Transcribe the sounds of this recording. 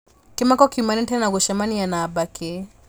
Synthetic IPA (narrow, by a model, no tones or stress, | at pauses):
kɛmakɔkiumanɛntɛnaɡɔʃamanijanaːbakɛ